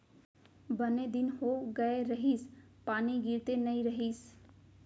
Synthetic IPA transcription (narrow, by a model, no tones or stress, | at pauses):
bəned̪ɪnɦoːɡəeɾəɦiːspaːniɡiɾt̪enəĩɾəɦiːs